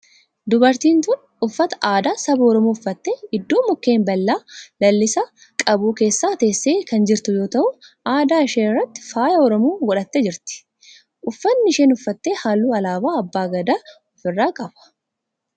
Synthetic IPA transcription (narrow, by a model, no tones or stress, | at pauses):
d̪ʊbɐɾt̪iːnt̪ʊn | ʊfːɐt̪ɐ̥ʔaːd̪aːsɐbɔɾɔmuːʊfːɐt̪ːeːɪd̪ːoːmʊkːe̞ːmbɐlːaːlɐlːɪsa | kʼɐbuːke̞ːsːaːt̪e̞ːsːeːkɐnd͡ʒɪɾt̪ʊjo̞ːt̪ɐʔʊ | aːd̪aːɪʃeːrːɐt̪ːɪ̥faːjɐɔɾɔmuːɡɔᶑɐt̪ːɛd͡ʒɪɾt̪ɪ̥ | ʔʊfːɐnːɪʃeːnʊfːɐt̪ːeːhaːlːuːɐlaːbaːɐbːaːɡɐd̪aː | ɔfɪrːaːkʼɐbɐ̥